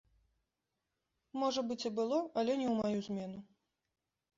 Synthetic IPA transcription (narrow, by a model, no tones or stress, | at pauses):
mɔʐɐbɨt͡sʲɛbɨlˠɔɐlʲɛnʲɛwmajuzʲmʲɛnu